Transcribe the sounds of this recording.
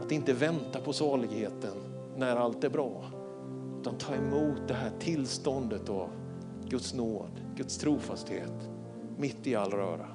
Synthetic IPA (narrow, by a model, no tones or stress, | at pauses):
at̪ɪnt̪əvɛnt̪apʰɔsɑːɭɪɡheːt̪ənː | æɾalt̪æɾbɾɑː | ʉ̟ːt̪ant̪ʰɑːɾɛmuːt̪̚d̪ɛɦæːʈʰɪlst̪ɔnd̪ət̪av | ɡɵt̪snoːd̪ | ɡ̥ɵt̪st̪ʰɾuːfast̪hḛːt̪ | mɪt̪ːɪalːɾœ̰ːɾa̰